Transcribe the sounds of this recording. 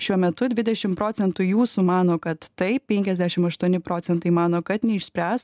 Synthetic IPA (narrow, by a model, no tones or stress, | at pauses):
ʃʲuɔmʲɛt̪ʊd̪ʲʋʲɪd̪ʲɛʃʲɪmpɾoːsʲɛnt̪ʊjuːsumɑːnoːkɐt̪ːɐɪpʲɛŋʲkʲɛzʲd̪ʲæːʃʲɪmɐʃt̪uɔnʲɪpɾoːsʲɛnt̪ɐɪmɑːnoːkɐt̪nʲɛɪʃʲsʲpʲæːs